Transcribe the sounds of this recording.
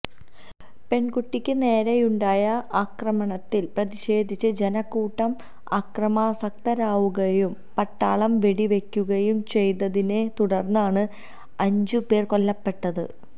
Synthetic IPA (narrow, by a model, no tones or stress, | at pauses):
pe̞ɳkuʈːikʲːɨne̞ːɾɐjuɳɖaːjɐʔaːkrɐmɐɳɐt̪ːilprɐðiɕe̞ːd̪ʱit͡ɕːɐd͡ʑenɐkːuːʈːɐm | aːkrɐmɐsɐk̚t̪ɐɾaːʋuɣɐjum | pɐʈːaːɭɐmʋe̞ɽiʋe̞kʲːuɣɐjumt͡ɕe̞jt̪ːɐðine̞t̪uɽɐrnːaːɳɨ | ɐɲd͡ʑupe̞ːrko̞lːɐpːe̞ʈːɐðɨ̰